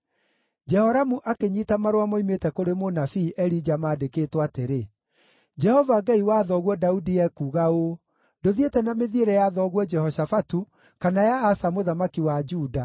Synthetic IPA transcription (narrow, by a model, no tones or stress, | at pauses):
d͡ʒɛhɔɾamuʔakeɲitamaɾowamɔimetɛkoɾemonafiːʔɛɾid͡ʒamaːdekeːtwateɾe | d͡ʒɛhɔvaɡaiwaðɔɣwɔdaudijɛkuːɣao | ndoðietɛnameðieɾɛjaðɔɣwɔd͡ʒɛhɔʃafatu | kanajaːsamoðamakiwad͡ʒuːda